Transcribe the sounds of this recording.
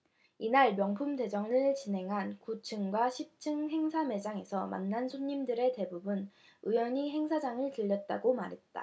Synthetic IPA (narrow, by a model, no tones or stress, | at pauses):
inaɭmjʌŋpʰumde̞d͡ʑʌŋɯɭt͡ɕine̞ŋɦankut͡ɕʰɯŋɡwaɕʰip̚t͡ɕʰɯŋɦe̞ŋsʰame̞d͡ʑaŋe̞sʰʌma̰nːansʰoɲːimdɯɾe̞te̞bubun | ɯjwʌɲiɦe̞ŋsʰad͡ʑaŋɯɭtɯʎːʌt̚t͈a̰ɡomaɾɦe̞t̚t͈a̰